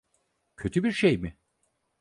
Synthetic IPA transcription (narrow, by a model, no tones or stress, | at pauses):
cʰø̞t̪ʰybiɾʃejmɪ